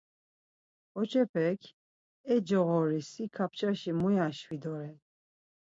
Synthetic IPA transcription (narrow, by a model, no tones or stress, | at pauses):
ɔt͡ʃʰɛpʰɛkʰ | ɛd͡ʒɔɣɔɾisikʰap̚ʰt͡ʃʰaʃimujaʃwid̪ɔɾɛ